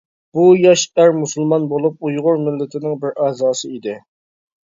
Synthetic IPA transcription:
b̥ujɑʃæɾmusɨlˠmɑnbolˠup̚ujʁʊɾmɪlːɪt̪ʰɪnɪŋbɪɾæzɑːsɨid̪ɪ

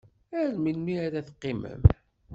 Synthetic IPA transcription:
æɾminːiæɾæθqːɪmə̰m

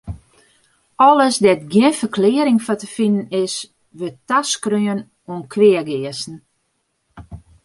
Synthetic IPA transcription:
ɔləsdɛtɡjɪnfərkʰlɪəɾɪŋfɔtəfinənɪs | ʋøtaskryən | uənkʰʋɪəɡɪəsn̩

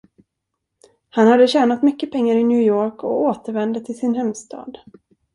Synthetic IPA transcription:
hanhad̪ːəɕɛːnat̪mʏkːəpʰɛŋːaɾɪnjʉ̟ːjoːɾkɔoːt̪əɾvɛnd̪ət̪ʰɪlsɪnhɛmst̪ʰɑ̰ːd̪

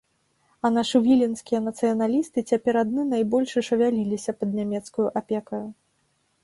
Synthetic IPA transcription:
ɐnaʂɨvʲilʲinskʲijɐnɐt̪sɨjɐnalʲist̪ɨt͡sʲapʲɛɾad̪̚nɨnajbɔlʲʂɨʂɐvʲalʲilʲisʲɐpɐd̪̚nʲamʲɛt̪skujuʔapʲɛkɐju

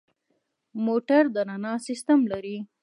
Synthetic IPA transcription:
moʈaɾd̪ənanɑsɪst̪amlaɾi

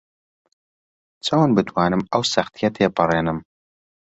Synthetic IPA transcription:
t͡sʰoːnbɨt̪ʰwaːnɨmɐwsɐxt̪ʰijɐt̪ʰeːpʰɨrˤeːnɨm

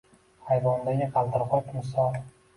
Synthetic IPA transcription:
hajvɒnd̪aɡʲɪqʰɑlˠt̪ʰɪɾqɒjpʰmɪsɒl

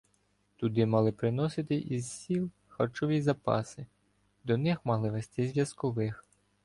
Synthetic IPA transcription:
t̪ʊd̪ɪmɑlˠɪpɾɪnɔsɪt̪ɪʔizsʲilˠ | xɐrt͡ʃɔʋʲizɐpɑ̰sɪ | d̪ɔnɪxmɑlˠɪʋest̪ɪzʲʋʲjɐskɔʋɪx

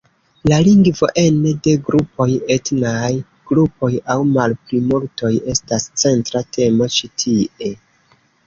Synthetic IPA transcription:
laliŋɡvo̞ʔe̞nede̞ɡɾupo̞je̞tnaj | ɡ̥ɾupo̞jawmalplimulto̞je̞stast͡se̞ntɾatʰe̞mo̞t͡ʃitʰiʔe̞

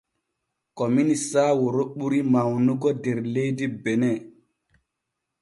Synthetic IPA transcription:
kɔminisaːwoɾoɓuɾimawnuɡɔdeɾlejdibenɛ

